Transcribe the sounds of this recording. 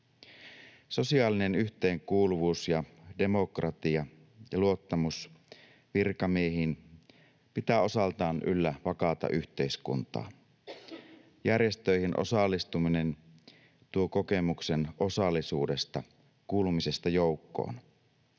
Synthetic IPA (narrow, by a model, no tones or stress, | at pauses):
so̞siɑːline̞nyçt̪eːŋkuːluʋuːsjɑde̞mo̞krɑt̪iɑ | jɑluo̞t̪ːɑmus | ʋirkɑmieɦin | pit̪æːo̞sɑlt̪ɑːnʔy̰lːæʋɑkɑt̪ɑ̰ʔyçt̪e̞iskṵnt̪ɑ̰ːn | jærje̞st̪øihinʔo̰sɑlːist̪umine̞n | t̪uoko̞ke̞mukseno̞sɑlːisuːde̞st̪ɑ | kuːlumise̞st̪ɑjoukːo̰ːn